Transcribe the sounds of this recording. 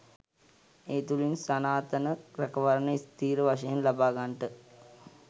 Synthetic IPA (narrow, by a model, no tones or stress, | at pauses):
eːt̪ulinsanaːt̪ənəɾɛkəʋaɾənəist̪iːɾəʋaʂɐjenlabaːɡaɳʈə